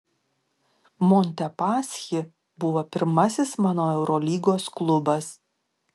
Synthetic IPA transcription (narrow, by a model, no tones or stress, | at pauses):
mɔnʲt̪ʲɛpɑːsʲxʲɪ | bʊʋoːpʲɪɾmɐsʲɪsmɑːnoːɛʊɾɔlʲiːɡoːsklˠʊbɐs